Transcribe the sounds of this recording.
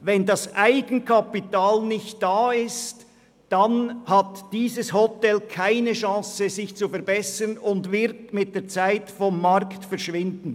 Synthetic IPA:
vɛndɑsʔaɪɡ̥ən̩kʰapitaːlnɪçt̚d̥aːɪst | d̥anhatd̥iːzəshɔtɛlkʰaɪnəʃɑ̃ːsəzɪçt͡sufɛɐɾbɛsənʊndvɪɾtmɪt̚d̥eːɐt͡saɪtfɔmːaʁktfɛʁʃvɪndn̩

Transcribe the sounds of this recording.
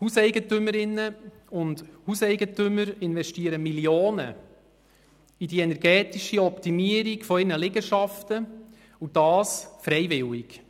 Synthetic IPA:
husɛɪɡətʏməɾɪnːə | ʊndhusɛɪɡətʏmːəɾɪnvɛʃtiəɾəmiljoːnə̰ | idiɛnɛɾɡɛːtiʃiɔpt̪imiəɾiɡfɔɪɾnəlɪɡəʃɑftə | ud̥ɑːsfɾɛjvɪwɪk

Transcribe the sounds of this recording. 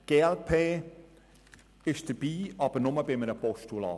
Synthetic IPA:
ɡ̥eːɛlpʰeː | ɪʃd̥əɾb̥iːʔɑb̥əɾnʊməbɪmənəpɔʃtulɑ̰ː

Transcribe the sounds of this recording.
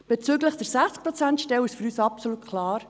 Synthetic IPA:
b̥et͡syːɡləχd̥əɾsæχt͡skpɾɔt͡sæntʃtɛwɪʃfyɾyːsɑpsolut̪̚kʰlɑːɾ

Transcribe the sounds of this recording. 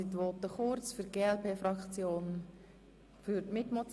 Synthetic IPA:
itʋɔːt̪əχʊɾt͡sfyɾɡ̥eːɛlpeːfrɑkt͡sjoːn | fyɾtmɪtmot͡s

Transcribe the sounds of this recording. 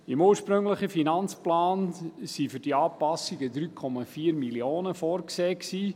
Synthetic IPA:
imuːɹʃpɾɵŋləχəfinɑnt͡splaːnsifyɾd̥iɑːpɑsiɡəd̪ɾyːkʰɔmɑfiːəɾmilioːnəfɔːɾkseːksiː

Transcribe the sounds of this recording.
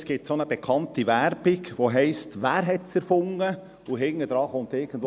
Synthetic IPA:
sɡ̥ɪtsonəb̥ɛkʰɑntiʋæɾb̥iɡʋoɦɛɪstʋæːɾɦɛtsɛɾfʊŋːə | uɦɪŋːəd̥ɾɑːχʊnt̪ɪɡ̥ən̩d̥ʋ

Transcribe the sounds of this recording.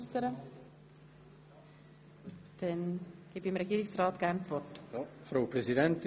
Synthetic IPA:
səɾə | d̪̥ɛnɡ̥iːbiɪmɾɛɡiːɾɪksrɑːt̪ɡ̥ærnt͡svɔrtfɾaʊpɾɛsid̪ɛnt̪

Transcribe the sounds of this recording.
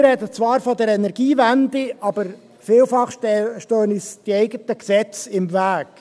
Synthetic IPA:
ɾɛd̪ət͡svɑːɾfɔd̪ɛɾɛnɛɾɡ̥iːvænd̪ɪɑb̥əɾ | fɪːlfɑχʃtøːnisd̪̥iɛɪɡət̪əksɛt͡sɪmvæːɡ̥

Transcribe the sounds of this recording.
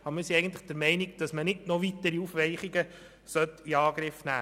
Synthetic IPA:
ɑbəɾmɪːɾsiɛɪɡən̩t̪ləχd̥əɾmɛɪniɡd̥ɑsmənɪdnɔʋit̪ːəɾiufʋɛɪχiɡə | sœt̪ːiɑːɡɾɪfnæː

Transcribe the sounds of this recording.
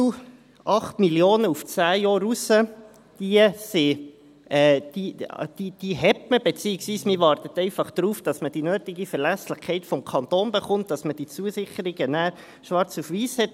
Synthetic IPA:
ʔɑχtmiljoːnəuft͡sæːjɔːɾusə | d̥iəsɪ | ɛːd̥id̥id̥iɦɛtməbet͡siːɪksʋiːsmɪʋɑrt̪ət̪ɛɪfɑχd̪̥ɾuːfd̥ɑsməd̥inœːtɪɡifɛɾlæslɪχkʰɛɪtfɔmkʰɑnt̪oːnbeχʊnt̚d̥ɑsməd̥it͡suəsɪχəɾɪɡənæː | ʃʋɑɾt͡sufʋiːshɛt̚

